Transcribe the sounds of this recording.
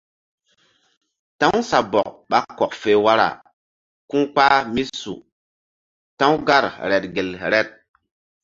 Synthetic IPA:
tã˦wsa˨bɔ˨k̚ɓa˦kːɔ˨k̚fe˨˦wa˦ɾa̰˨ | kũ˦k͡pa˦mi˦sṵ˨ | tã˦wɡa˦˨ɾɾɛ˨t̚ɡe˨lɾɛ˦t̚

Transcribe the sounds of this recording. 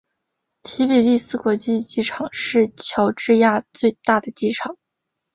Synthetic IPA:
t̪ʰi˧˥pi˨˩ɪli˥˧sɹ̩˥˧kwɔ˨˧˩t͡ɕi˥˧t͡ɕi˥˩ʈ͡ʂʰɑ˨˩˦ŋʂɻ̩˥˩t͡ɕʰjɑ˧˥ʊʈ͡ʂɻ̩˥˧ja˥˧t͡swe˥˧ɪt̪a˥˩d̪ə˩t͡ɕi˥˩ʈ͡ʂʰɑ˨˩˦ŋ

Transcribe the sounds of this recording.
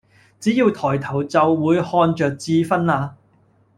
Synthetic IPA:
t͡siː˨˥jiː˧wt̪ʰɔː˨˩jt̪ʰɐ˨˩wt͡sɐ˨wːuː˨˧jhɔː˧nt͡ʃœː˨k̚t͡siː˧fɐ˥naː˧

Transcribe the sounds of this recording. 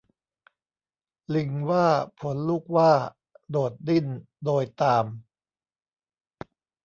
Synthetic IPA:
li˧ŋwaː˥˩pʰo˩˦nluː˥˩k̚waː˥˩ | doː˨˩t̪̚di˥˩n | doː˧jt̪aː˧m

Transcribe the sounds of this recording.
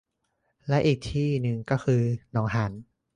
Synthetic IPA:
lɛ˦˥ʔiː˨˩k̚t̪ʰiː˥˩nɯ˧ŋkɔː˥˩xʰɯː˧nɔː˩˦ŋɦa˩˦n

